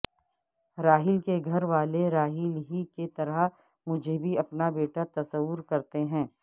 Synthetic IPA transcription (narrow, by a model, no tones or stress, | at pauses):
ɾaːɦɪlkeɡʱɐɾʋaːleɾaːɦɪlɦiket̪ɐɾəɦ | mʊd͡ʒʱebʱiɐpnabeːʈat̪ɐsəwːəɾkɐɾt̪eɦɛ̃ː